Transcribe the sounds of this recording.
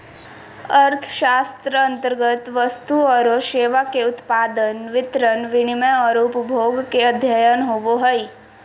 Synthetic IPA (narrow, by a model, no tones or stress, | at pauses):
əɾt̪ʰʃaːst̪ɾəɐ̃nt̪əɾɡət̪ʋəst̪uɔːɾoʃeːʋakeʊt̪paːd̪ənʋɪt̪ɾənʋɪnɪməɔːɾʊpəbʱoːɡkeɐd̪ʱjəjənɦoʋoɦəi